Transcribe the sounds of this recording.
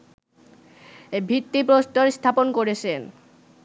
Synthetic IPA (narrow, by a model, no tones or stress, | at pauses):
ebʱit̪ːipɾost̪oɾst̪ʰaponkoɾet͡ɕʰen